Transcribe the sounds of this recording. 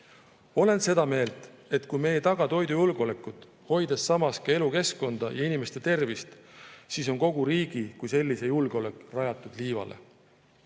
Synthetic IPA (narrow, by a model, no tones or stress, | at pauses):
o̞le̞nse̞d̪̥ɑme̞ːlt̪ˑe̞t̪kujme̞jet̪ɑɡ̥ɑt̪o̞jd̪ujulɡ̥o̞le̞kːˑut̪ˑ | ho̞jd̪̥essɑmɑskɑe̞luke̞sko̞nd̪̥ɑjɑinime̞st̪e̞t̪e̞rvist̪siso̞nko̞ɡ̥uɾiːɡ̥ikujse̞lʲːise̞julɡ̥eo̞le̞kˑrɑjɑt̪ːˑud̪̥liːvɑ̰lʔe̞̰